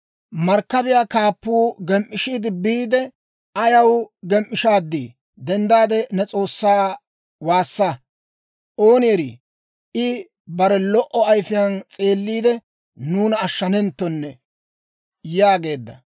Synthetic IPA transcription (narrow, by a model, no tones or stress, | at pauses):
mɐɾkːɐbɪjaːkaːpːuːɡɛmʔːɪʃiːd̪ɪbiːd̪ɛ | ɐjɐwɡɛmʔːɪʃaːd̪ːi | d̪ɛnd̪aːd̪ɛnɛt͡sʼo̞ːsːaː | waːsːɐ | ʔo̞ːnɪɾḭ | ʔɪ | bɐɾɛlɔʔɔɐjfɪjant͡sʼe̞ːlːiːd̪ɛ | nuːnɐːʃːɐnɛnt̪ːɔnːɛ | jaːɡe̞ːd̪ːɐ̰